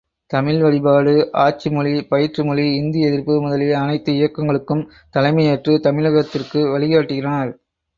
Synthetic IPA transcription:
t̪ɐmɪlʋɐɻɪbaːɭɯʔaːt͡ʃimʊɻipɐjɪɾt͡ʃrɯmʊɻiɪnd̪ɪjɛðɪɾpːɯmʊðɐlɪlɐnɐɪt̪ːɯɪjɐkːɐŋɡɐɭɯkːɯm | t̪ɐlɐɪmɐjeːʈrɯt̪ɐmɪlɐɣɐt̪ːɪrkɯʋɐɭɪɣaːʈːɯɣɪrɐnɐɾ

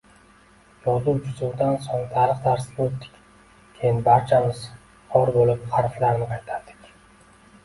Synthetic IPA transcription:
jɒd̪ʊwd͡ʒʊzʊwd̪ansoŋt̪ʰaɾɨχt̪ʰaɾsɪ̥ot̪ːɪ̥kʲ | kʲʰejɪnbaɾt͡ʃʰamɪz̥ | qʰɒɾbolɪpχɑɾflaɾnɪqʰɑjt̪ʰaɾd̪ɪ̥kʲ

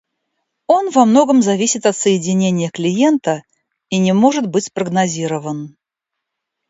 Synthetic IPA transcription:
onvɐmno̞ɡəmzɐvʲisʲɪt̪ɐt̪səjɪdʲɪnʲenʲɪjəklʲɪjent̪ə | inʲɪmo̞ʐɨt̪bɨtʲspɾəɡnɐzʲiɾəvən

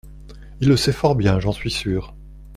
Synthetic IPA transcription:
ilːəsɛfɔʁbjɛ̃ʒɑ̃sɥisyːʁ

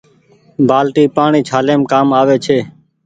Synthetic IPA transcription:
bʱaːlʈiːpaːɳiːt͡ʃʰaːleːmkaːmaːʋeːt͡ʃʰeː

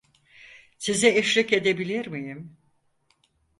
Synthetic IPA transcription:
sizieʃɾice̞d̪ebilʲiɾmijim

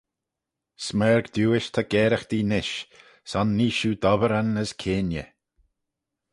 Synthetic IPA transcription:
smɛːɹɡd̪uːɪʃt̪ʰaɡ̥ɛːɾəxd̪̥iːnɪʃ | sɔnːiːʃuːd̪ɔvəɾənəskʰeːnjə̰

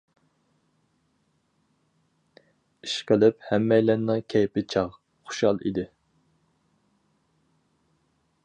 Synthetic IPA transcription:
iʃqəlɪphɛmːɛjlɛnnɨkʲʰɛjpɪt͡ʃʰɑʁ | χʊ̥ʃɑlˠḭd̪ɪ

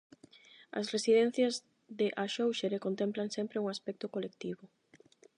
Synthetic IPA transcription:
ɐ̰sresiðɛn̟θjɐz | ðeʔaʃowʃeɾekont̪emplaŋsɛmpɾeuŋaspɛk̚t̪okolek̚t̪iβʊ

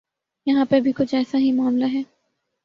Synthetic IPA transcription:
jɐɦãpebʱikʊt͡ʃʰɛːsaɦimaːmlaɦɛː

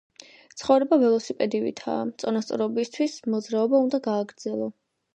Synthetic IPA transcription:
t̪sʰχɔvɾɛbavɛlˠɔsipʼɛd̪ivḭt̪ʰa̰ːt̪sʼɔnast̪sʼɔɾɔbist̪ʰwismɔd̪zɾaɔbaund̪aɡaːɡɾd̪zɛlˠɔ

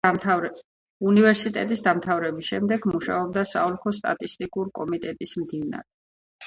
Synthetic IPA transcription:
univɛɾsit̪ʼɛ̰t̪ʼisd̪amt̪ʰavɾɛbisʃɛmd̪ɛɡmuʃa̰ɔb̚d̪asa̰ɔlˠkʰɔst̪ʼa̰t̪ʼist̪ʼikʼuɾkʼɔmit̪ʼɛt̪ʼismd̪ina̰ɾɛ

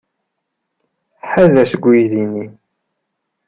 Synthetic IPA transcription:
ħaðæsəɡʷiðini

